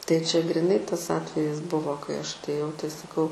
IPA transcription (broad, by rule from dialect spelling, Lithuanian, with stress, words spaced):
tɐɪ t͡ʃʲɛ ɡrʲɪˈnɐɪ ˈtɐs ˈɑːtʲʋʲɛjɪs ˈbʊʋoː kɐɪ ˈɐʃ ɐtʲˈeːjɛʊ tɐɪ sɐˈkɐʊ